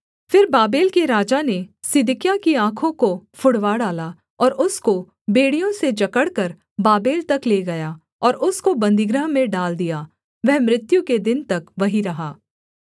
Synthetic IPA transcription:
fɪɾbaːbeːlkeɾaːd͡ʒanesɪd̪ɪkjakiãːkʰõkofʰʊɽʋaɽaːla | ɔːɾʊsko | beːɽijõsed͡ʒɐkəɽkɐɾ | baːbeːlt̪ɐkleːɡɐjaː | ɔːɾʊskobɐ̃nd̪ɪɡɾəɦmẽɖaːld̪ijaː | ʋɛɦmɾɪt̪juked̪ɪnt̪ɐkʋɐɦiɾɐɦaː

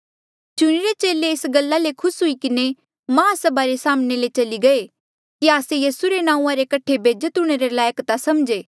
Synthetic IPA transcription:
t͡ʃʊɽ̃iɾet͡ʃeːleɪsɡɐlːalekʰʊsɦʊikɪne | mɐɦasɐbaɾesaːmnelet͡ʃɐliɡɐe | kiaːsejiːsuɾenãːũãɾekɐʈʰebʱeːd͡ʒət̪ɦʊɽ̃eɾelaːjəkt̪asɐmd͡ʒeː

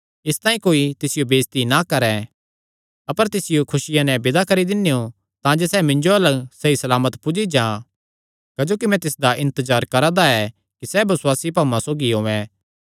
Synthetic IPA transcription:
ɪst̪ãːĩkoːit̪ɪsɪjobeːst̪inakɐɾɛ | ɐpəɾt̪ɪsɪjokʰʊsɪjãnɛbɪd̪akɐɾid̪ɪnːejo | t̪ãd͡ʒosɛmɪ̃nd͡ʒoɐləɡsɐisɐlaːmət̪pʊd͡ʒid͡ʒãː | kɐd͡ʒoːkimɛ̃t̪ɪsd̪aʔɪ̃nt̪əzaːɾkɐɾãd̪aɛ | kisɛbɐsʊwaːsipaːmãsoːɡiɦoːʋɛ̃

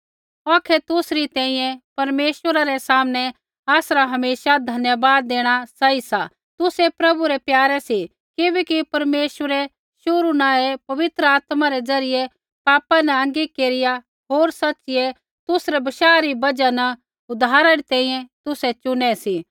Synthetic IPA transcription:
ɔːkʰɛt̪ʊsɾit̪ɛ̃ːĩːjɛ̃pɐɾmeːʃwəɾaɾɛsaːmnɛ | aːsɾaɦɐmeːʃad̪ʱɐnjəbaːd̪̚ːeːɽ̃asaisa | t̪ʊsɛpɾɐbuɾɛpjaːɾɛsi | kɪbɛːkipɐɾmeːʃwəɾɛ | ʃʊɾunaːepɐʋɪt̪ɾəaːt̪maɾɛd͡zɐɾɪje | paːpanɛɐ̃ŋɡikeːɾɪja | ɦoːɾsɐtːt͡ʃɪje | t̪ʊsɾɛbɐʃaːɾibɐd͡ʒanɐ | ʊd̪ʱaːɾɛɾit̪ɛ̃ːĩjɛ̃t̪ʊsɛt͡ʃʊnɛsi

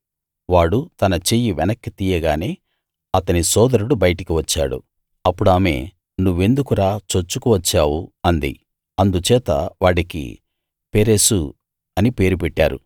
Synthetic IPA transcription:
ʋaːɽut̪ɐnɐt͡ʃeːjiʋɛnɐkːit̪iːjɐɡaːne̞ː | ɐt̪ɐnisɔːd̪ɐɾuɽubɐjɐʈikiʋɐt͡ʃːa̰ːɽṵ | ɐpːuɽaːme̞ː | nuʋːe̞nd̪ukuɾaːt͡ʃot͡ʃːukuʋɐt͡ʃːaːwuɐnd̪ḭ | ɐnd̪ut͡ʃɛːt̪ɐ̰ʋaːɽikḭ | peːɾeːsu | ɐnipe̞ːɾup̬ɛʈːaːɾṵ

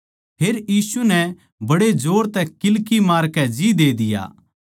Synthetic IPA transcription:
pʰeːɾjiːsunɛ | bɐɽed͡ʒoːɽt̪ɛkɪlkimaːɾkɛd͡ʒid̪eːd̪ɪja̰ː

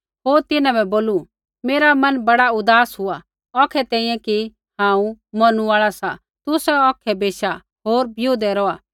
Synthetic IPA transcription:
ɦoːɾt̪ɪnãbɛboːlu | meːɾamɐnbɐɽaʊd̪aːsɦʊa | ɔːkʰɛt̪ɛ̃ːĩːjɛ̃ki | hãːũmɐnũaːɭasa̰ | t̪ʊsɛɔːkʰɛbeːʃa | ɦoːɾbʱjoːd̪ɛɾɔːaː

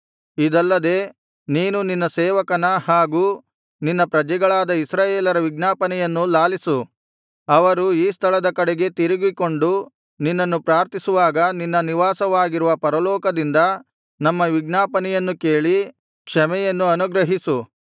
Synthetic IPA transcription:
id̪ɐlːɐd̪e̞ː | niːnuninːɐsɛːʋɐkɐnɐhaːɡuː | ninːɐpɾɐd͡ʒɛɡɐɭaːd̪ɐisɾaːjeːlɐɾɐʋiɡnaːpɐnɛjɐnːulaːlisu | ɐʋɐɾuiːst̪ʰɐlɐd̪ɐkɐɽeɡe̞t̪iɾiɡiko̞ɳɖu | ninːɐnːupɾaːɾt̪isuʋaːɡɐninːɐniʋaːsɐʋaːɡiɾuʋɐpɐɾɐlɔːkɐd̪ind̪ɐ | nɐmːɐʋiɡnaːpɐnɛjɐnːuke̞ːɭi | kʂɐmɛjɐnːuɐnuɡɾɐɦisu

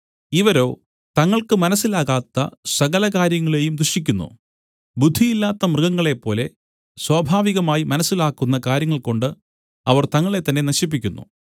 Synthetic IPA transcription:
iʋɐɾo̞ː | t̪ɐŋːɐɭkɨmɐnɐsːilaːɣaːt̪ːɐ̰sɐɣɐlɐkaːɾjɐŋːɐɭe̞jumd̪ruʂik̬ʲːunːṵ | bud̪ʱːijilːaːt̪ːɐmrɨɣɐŋːɐɭe̞pːo̞ːle̞ | swɐːbʱaːʋiɣɐmaːjimɐnɐsːilaːkːunːɐkaːɾjɐŋːɐɭko̞ɳɖɨ | ɐʋɐrt̪ɐŋːɐɭe̞t̪ːɐnːe̞nɐɕip̬ːikʲːunːṵ

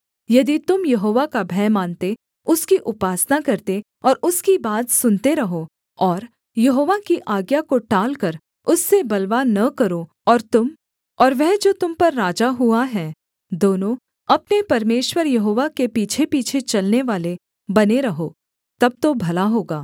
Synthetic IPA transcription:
jɐd̪it̪ʊmjɐɦoːʋakabʱɛːmãːnt̪e | ʊskiʔʊpaːsnakɐɾt̪e | ɔːɾʊskibaːt̪sʊnt̪eɾɐɦo | ɔːɾ | jɐɦoːʋakiʔaːɡjakoʈaːlkɐɾ | ʊsːebɐlʋaːnɐkɐɾo | ɔːɾt̪ʊm | ɔːɾʋɛɦd͡ʒoːt̪ʊmpɐɾːaːd͡ʒaɦuaɦɛː | d̪oːnõ | ɐpnepɐɾmeːʃwəɾjɐɦoːʋakepiːt͡ʃʰepiːt͡ʃʰet͡ʃɐlneʋaːle | bɐneɾɐɦoː | t̪ɐb̚t̪obʱɐlaɦoːɡaː

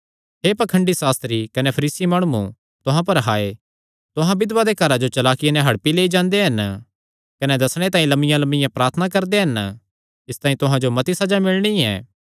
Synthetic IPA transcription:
ɦepɐkʰə̃ɳɖisaːst̪ɾikɐnepʰɐɾiːsimaːɽ̃uːṵ̃ | t̪ʊɦãp̬ɐɾɦaːe | t̪ʊɦãbɪd̪ʋad̪ekɐɾad͡ʒot͡ʃɐlaːkɪjenɛ̃ɦɐɽpileːid͡ʒãːnd̪eɦɐn | kɐned̪ɐsɽ̃et̪ãːĩlɐmɪjãlɐmɪjãpɾaːɾt̪ʰnakɐɾd̪eɦɐn | ɪst̪ãːĩt̪ʊɦãd͡ʒomɐt̪isɐd͡ʒamɪɭɽ̃iɛ̰ː

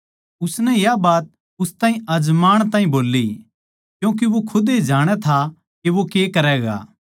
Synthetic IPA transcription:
ʊsnɛ̃jabaːt̪̚ | ʊst̪aːɦĩɐd͡ʒmaːɽ̃t̪ãːɦĩboːlːi | kjũːk̬iʋokʰʊd̪ed͡ʒaːɽ̃ɛt̪ʰa | kiʋokeːkɐɾɛːɡa̰ː

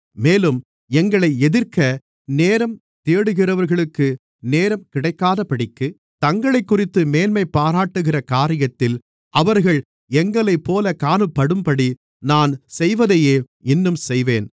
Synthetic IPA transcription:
meːlɯm | ɛŋɡɐɭɐɪɛðɪɾkɐ | neːɾɐm | t̪eːɽɯɣɪrɐʋɐɾɣɐɭɯkːɯ | neːɾɐmkɪɽɐɪkːaːðɐpɐɽɪkːɯ | t̪ɐŋɡɐɭɐɪkːʊrɪt̪ːɯmeːnmɐɪpːaːɾaːʈːɯɣɪrɐkaːɾɪjɐt̪ːɪl | ʔɐʋɐɾɣɐɭ | ɛŋɡɐɭɐɪpːoːlɐkaːnɯpːɐɽɯmpɐɽi | naːnsɛjʋɐðɐjeː | ɪnːɯmsɛjʋeːn

